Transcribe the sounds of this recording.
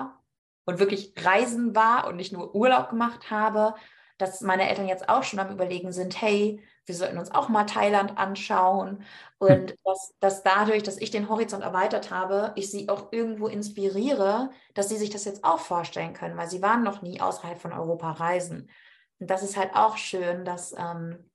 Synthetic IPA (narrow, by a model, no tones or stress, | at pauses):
ʔʊntv̥ɪɐklɪçʁaɪzn̩vaːɐʔʊ̰ntnɪçtnuːɐʔuːɐlaʊp̚ɡ̥əmaχthaːbə | d̥asmaɪnəʔɛ̰ltɐnjɛt͡stʔa̰ʊxʃoːnamʔyːbɐleːɡŋ̩zɪnthɛɪ | viːɐzɔltn̩ʊnsa̰ʊxmaːltʰaɪlantʔa̰nʃaʊənʔʊʊntd̥asd̥asd̥adʊɐçd̥asɪçd̥eːnɦɔʁ̞it͡sɔntɛɐvaɪtɐthaːbəʔɪçz̥iːʔaʊxʔɪɐɡŋ̩tv̥oːʔɪnspiʁiːʁəd̥asz̥iːzɪçd̥asjɛt͡stʔa̰ʊxfoːɐʃtɛlənkʰœnənvaɪlziːvaːʁənːɔχniːʔa̰ʊsɐhalpfɔnʔɔ̰ʏʁoːpʰaʁaɪzn̩ | ʔʊntd̥asɪsthalta̰ʊxʃøːndasʔɛːm